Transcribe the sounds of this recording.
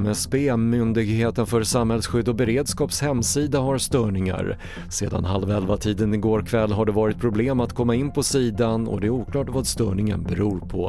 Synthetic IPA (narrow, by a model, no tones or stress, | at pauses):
mɛspemʏnd̪ɪɡheːt̪ənfœɾsamhɛlsɧʏd̪ːɔbɛɾeːd̪skɑːpshɛmsiːd̪aɦaɾst̪œːɳɪŋa̰ɾ | sḛːd̪a̰nɦalvɛlvat̪ʰiːd̪ənɪɡoːɾkʰvɛlːɦaɖɛvɑːɾɪt̪̚pʰɾʊbleːmat̪kʰɔmːaɪnːpʰɔsiːd̪anɔ̰d̪ɛæɾuːkʰlɑːʈvaːd̪st̪œːɳɪŋə̰nbɛɾuːɾpʰɔ